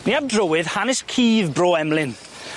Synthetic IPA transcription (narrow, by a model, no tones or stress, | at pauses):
niavdrəwɪð̥hanɪskʰiːvbroːɛmlɪn